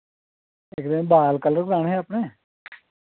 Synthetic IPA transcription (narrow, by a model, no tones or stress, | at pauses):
ɪkd̪əmbaːlkələɾɡɾaːɳɦɛːapɳeː